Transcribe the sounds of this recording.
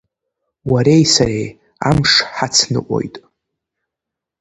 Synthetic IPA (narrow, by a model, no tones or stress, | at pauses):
waɾejsaɾej | a̰mʂħat͡sʰnɨ̰ʔʷʼo̰jtʼ